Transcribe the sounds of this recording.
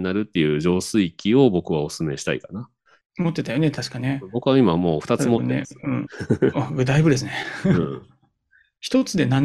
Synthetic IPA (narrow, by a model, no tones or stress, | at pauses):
naɾɯ̟t̪ːe̞jɯ̟ːd͡ʑo̞ːsɨikʲio̞bo̞kɯ̟βao̞sɨmeɕi̥t̪a̰ikana | mot̪ːe̞t̪ajo̞net̪aɕi̥kane̞bo̞kɯ̟βaimamo̞ːɸɯ̟̥t̪aɨɨmotnḛɯ̃ɴaɡɯ̟t̪aibɯ̟d̪e̞s̬ɨneɯ̃ | çi̥t̪o̞t͡sɨd̪e̞nãn